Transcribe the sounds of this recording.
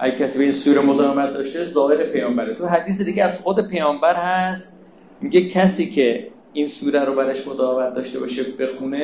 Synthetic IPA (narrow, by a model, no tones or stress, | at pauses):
ʔæɡecʲʰæsiːbeinsuɾemod̪ɒːɣemæt̪̚d̪ɒːʃt̪ezɒːheɾepʰejɒːmbæɾet̪ʰuɦæd̪iːs̬ed̪iɟʲeæzχod̪e̞pʰejɒːmbæɾhæst̪ | miɡecʰæsiːcʰe̞ | insuːɾæɾobæɾeʃmod̪ɒːɣemæt̪̚d̪ɒːʃt̪e̞bɒ̰ːʃebexune